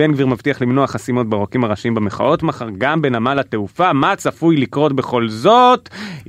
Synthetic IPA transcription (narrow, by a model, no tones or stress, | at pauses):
enɡviʁmavt̪iaχlimno̞aχasimo̞t̪̚beʁokimaʁaʃimbeme̞χa̰o̞tmaχaʁɡambe̞namalate̞ufamat͡safujlikʁo̞tbe̞χo̞lzo̞t